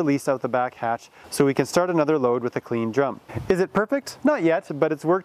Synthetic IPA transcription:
əlistaʊt̪̚ðəbækhæt͡ʃsoʊwikɨ̃nstɑɹɾɨnʌðə˞loʊd̚wɨðɨkʰl̥ĩndɹʌ̃mpɨzɨt̚pʰɜ˞fɪk̚tnət̚jɛt̚b̥ʌɾɨtswɜ˞k̚

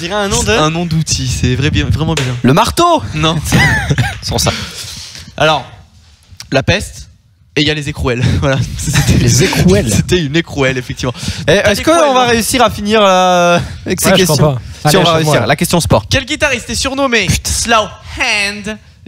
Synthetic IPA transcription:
d̪iʁɛɛ̃nɔ̃d̪ɛ̃nɔ̃d̪ut̪ʰisɛvʁɛbjɛ̃vʁɛmɑ̃bjɛ̃ləmaʁt̪onɔ̃sɛsɑ̃sa̰ | alɔʁ | lapɛst̪ | eijalezekχuɛlvwalaset̪ʰɛeekχuɛlset̪ɛynekχuɛlefɛk̚t̪ivmɑ̃ɛʔɛskəɔ̃vaʁeysiʁafiniʁ | ɛksekɛst̪jɔ̃siɔ̃vaʁeysiʁlakʲɛst̪jɔ̃spɔʁkʲɛlɡʲit̪aʁist̪ɛsyʁnɔmep̪slowhɛ̃nd̪

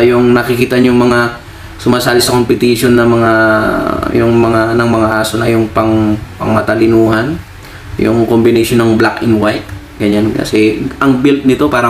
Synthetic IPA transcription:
jʊŋnɐkɪkiːt̪ɐɲʊŋmɐŋa | sʊmaːsaːlɪsɐko̞mpɪt̪iʃo̞nːɐmɐŋa | jʊŋmɐŋanɐŋmɐŋaʔaːsonɐjʊŋpɐŋpɐŋmɐt̪ɐlɪnuːhan | jʊ̰ŋkombɪnɛʃonːɐŋblakɪnwajt̪̚ | ɡ̥ɐɲankɐ̰sɛʔɐŋbɪlt̪̚nɪt̪o̞paːɾɐ

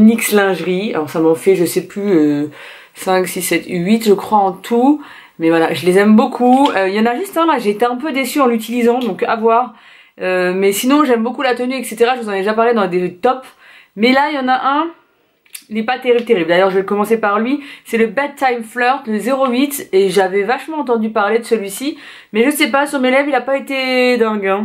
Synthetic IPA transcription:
nikslɛ̃ʒʁia̰lɔʁsamɑ̃fɛʒəsɛplyø | sɛ̃ksisːɛt̪ʰyɥit̪ʒəkχwaɑ̃t̪ʰu | mɛvwalaʒəlezɛmbokʰuøjɑ̃naʒyst̪ɛ̃laʒeːt̪eɛ̃p̬ød̪esyɑ̃lyt̪ilizɑ̃d̪ɔ̃ka̰vwaʁ | ømɛsinɔ̃ʒɛmbokulat̪ənyɛkset̪eʁaʒəvuzɑ̃ned̪eʒapaʁled̪ɑ̃d̪et̪ɔp | mɛlajɑ̃naʔɛ̃ | ilɛpat̪eʁiblt̪eʁibld̪ajœʁʒəvɛkɔmɑ̃sepaʁlɥisɛləbad̪̚t̪ːajmflœʁt̪ləzeʁoɥit̪eʒavɛvaʃmɑ̃ɑ̃t̪ɑ̃d̪ypaʁled̪əsəlɥisi | mɛʒəsɛpasyʁmelɛvilapaet̪ed̪ɛ̃ɡɛ̃

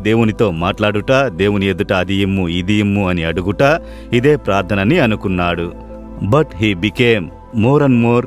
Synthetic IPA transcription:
d̪e̞ːwunit̪o̞ːmaːʈlaːɽuʈaːd̪e̞ːwunied̪uʈɐːd̪ijimːuid̪ijimːuɐniɐɽuɡuʈaː | id̪e̞ːpɾaːɾt̪ʰɐnɐnːiɐnukunːaːɽu | bɐʈɦiːbikeːmː | oːɾɐnmoːɾ

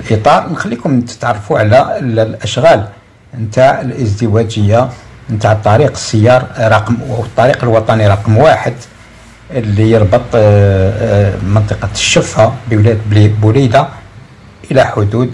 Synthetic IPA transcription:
lʔit̪ˤɑɾˤnxælːikʊmnt̪ə̥t̪ʕɑrˤːɑfuʕlællʔəʃɣæl | nt̪aʕəlʔəzd̪əwæd͡ʒəjːa | nt̪aʕt̪ˤːɑɾiqə̥sːəjːɑɾˤɾˤɑqmwət̪ˤːɑɾiqəlwɑt̪ˤɑniɾˤɑqmwaħəd̪ | lijəɾˤbət̪ˤ | mənt̪ˤəqɑʃːəfabəwlæd̪bʊlid̪a | ʔəlæħʊd̪ud̪

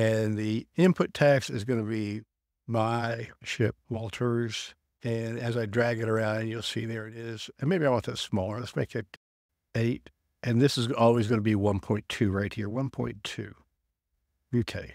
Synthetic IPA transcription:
ɨ̃nðiɪ̃mpʰʊtʰæksɨzɡʌnɨbi | maɪʃɪp̚wɔlˠtʰə˞z̥ | ɨ̃nɨzaɪdɹæɡɨɾə˞ãʊ̃nd̃njulˠsiðə˞ɨɾɪz̥ɨ̃nmeɪbiaɪwɑ̃t̪̚ðɨtsmɔlˠə˞ləstmeɪkɨɾ | eɪt̚ | ʔɨ̃nðɪsɨzɔlˠwizɡʌnəbiwʌ̃npʰɔ̃ɪ̃ntʰʉɹaɪt̚hiɹwʌ̃npʰɔ̰̃ɪ̃ntʰʉ̰ | jʉkʰeɪ

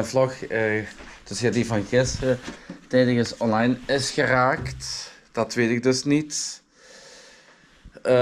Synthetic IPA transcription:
əvlɔxəd̥ɵsjaːdivɑnɣɪsətɛːdɪkəsɔnlɑjnɪsxəraːktd̥ɑtʋeːtɪk̚dɵsnit

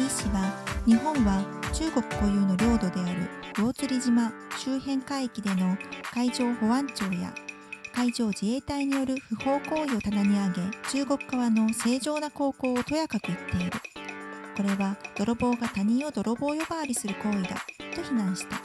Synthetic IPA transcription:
iɕiβaɲ̟iɦõ̞ɰ̃βat͡ɕɨːɡo̞kɯ̟̥ko̞jɯ̟ːno̞ɾʲo̞ːd̪o̞d̪e̞aɾɯ̟jo̞ːt͡sɨɾʲiʑimaɕɨːhẽ̞ŋkaikʲid̪e̞no̞kaiʑo̞ːho̞βãɲt͡ɕo̞ːja̰ | kaid͡ʑo̞ːd͡ʑie̞ːt̪aiɲ̟ijo̞ɾɯ̟ɸɯ̟ho̞ːko̞ːio̞t̪anaɲ̟iaɡe̞t͡ɕɨːɡo̞kɯ̟̥kaβano̞se̞ːʑo̞ːnako̞ːko̞ːot̪o̞jakakɯ̟it̪ʰːe̞iɾɯ̟ko̞ɾe̞βad̪̥o̞ɾo̞bo̞ːɡat̪aɲ̟ĩɰ̃o̞d̪o̞ɾo̞bo̞ːjo̞baːɾʲisɨɾɯ̟ko̞ːid̪a̰t̪o̞çinãɰ̃ɕi̥t̪a

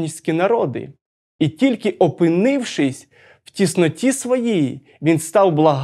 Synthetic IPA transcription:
nʲiwsʲkʲinɐɾɔd̪ɪ̰ | itʲilʲkɪʔɔpɪnɪwʃɪsʲ | w̥tʲisnɔtʲisʋɔjiji | ʋʲinst̪ɑwblˠɐɦ

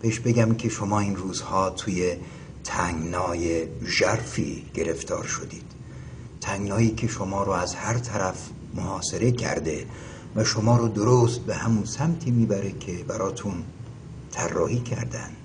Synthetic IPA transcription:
b̥eheʃbe̞ɡʲæmkʰe̞ʃo̞mɒːiːnruːzhɒːt̪ʰuːje | t̪ʰæŋɡnɒːjeʒæɾfḭːɡ̥e̞ɾe̞ft̪ʰɒ̰ːɾʃo̞d̪iːd̪̥ | t̪ʰæŋɡnɒːjiːkʲʰe̞ʃomɒːɾoæzhæɾt̪ʰæɾæf | mohɒːse̞ɾe̞cʰæ̰ɾd̪e̞ | væʃomɒːɾod̪oɾoːst̪̚behæmunsæmt̪ʰiːmiːbæɾekʰe̞bæɾɒːt̪ʰun | t̪ʰærːɒːhiːcʰæ̰ɾd̪æ̰nd̪̥

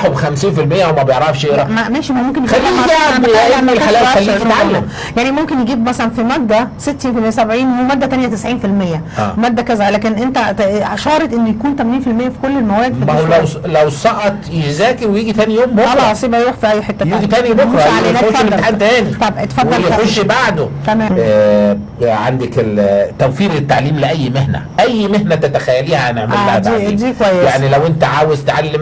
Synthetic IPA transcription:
ħobxæmsiːnfilmejːæwemːæbejeʕɾˤɑfʃeːɾæmæmæːʃimæmomkenjæælːʔælːmælalæːæælːieʕalːæm | jaʕnimomkenjeɡiːbmæsælænfimæɡ̚d̪æset̪ːiːnfelmejːæsæbʕiːnwemæd̪ːæt̪ænjæt̪esʕiːnfilmejːæ̰mæɡ̚d̪ækæzælæːkenʔent̪æʃɑːɾˤɑt̪ʔenːojkuːnt̪æmæniːnfilmejːæfi̥kolːelmæwæːeɡd̪filæwlæwsˤɑʔɑt̪jezæːkewejiːɡit̪æːnijoːmboʔɑɑsˤiːbæjɾuːħfiʔæjːħet̪ːæjiːɡit̪æːnjbokɾˤɑʕlæenːħad̪t̪æːnit̪ːˤɑbet̪fædw̪ːɑɾjoʃːbaʕd̪ot̪æmæː | ʕa̰nd̪eket̪ːæwfiːɾet̪ːaʕliːmleʔæjːmehnæ̰ʔæjːmehnæt̪æt̪æxæjːæliːhæʔæneʕmʔelad̪aid̪iːkowæjːejaʕnilæwʔent̪æʕaːwezt̪ʕalːem

